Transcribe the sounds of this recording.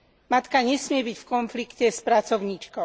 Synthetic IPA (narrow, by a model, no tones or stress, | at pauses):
mat̪kaɲɛsmɪɛbicfkɔnflikcɛspɾat͡sɔʊɲiːt͡ʃkɔʊ